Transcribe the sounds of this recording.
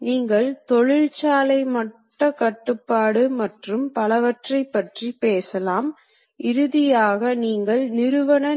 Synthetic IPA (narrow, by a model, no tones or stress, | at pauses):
niːŋɡɐɭt̪ɔɻɪɻt͡ʃaːlɐɪmɐʈːɐkɐʈːɯpːaːɽɯmɐʈrɯmpɐlɐʋɐʈrɐɪpːɐʈripeːsɐlaːm | ʔɪɾɯðɪjaːɣɐniːŋɡɐɭnɪɾɯʋɐɳɐ